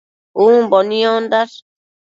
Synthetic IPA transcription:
ubɔniɔ̃nd̪aɾ

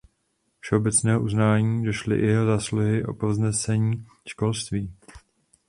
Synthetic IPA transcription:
fʃɛo̞bɛt͡snɛːɦoʔuznaːɲiːdo̞ʃlɪ̰jʔɛɦozaːsluɦɪʔo̞̰poznɛsɛɲiː | ʃko̞lst̪viː

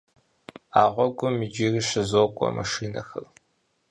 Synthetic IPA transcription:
aːʁʷɔɡʷʼʊmːɨd͡ʒiːriɕɐzoːkʷʼɔ̰mʔɐ̰ʂiːnɐ̰xɐr

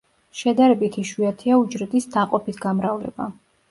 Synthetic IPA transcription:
ʃɛd̪aɾɛbit̪ʰiʃwiat̪ʰiaud͡ʒɾɛt̪ʼisd̪aqʼɔpʰisʰɡamɾavlɛ̰ba

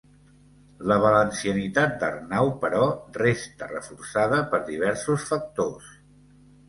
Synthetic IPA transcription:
ləβ̞ələnsiənit̪at̪̚d̪ə̰rnawpəɾɔrest̪ərəfuɾsaðəpəɾðiβ̞ɛɾsusfək̚t̪os

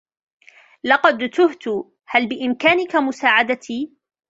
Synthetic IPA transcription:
lɑqɑd̪t̪ʊht̪ʊ | halbɪʔɪmkaːnɪkamʊsaːʕad̪at̪ʰiː

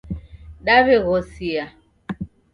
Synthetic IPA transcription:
ɗaβeɣɔsia

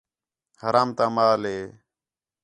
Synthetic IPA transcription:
həɾaːmt̪aːmaːleː

